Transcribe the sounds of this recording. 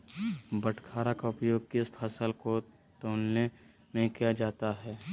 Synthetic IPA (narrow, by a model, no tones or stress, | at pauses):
bəʈkʰaːɾakaʊpjoːɡ̚kɪspʰɐsəlko | t̪oːnne | mẽkijad͡ʒaːt̪aɦɛː